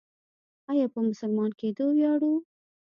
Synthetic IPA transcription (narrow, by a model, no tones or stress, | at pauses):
ɑjɑpəmʊsʊlmɑnked̪owjɑɽu